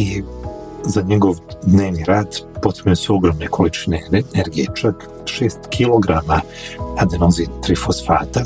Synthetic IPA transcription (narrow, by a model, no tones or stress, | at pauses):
i | zaɲeɡo̞ʋd̪neːʋniɾaːd̪po̞t̪meɲusuo̞ɡɾomnekʰolit͡ʃineneɾɡijḛt͡ʃak | ʃeːst̪kʰiloɡɾama | ad̪anozit̪ɾifosfa̰ːt̪a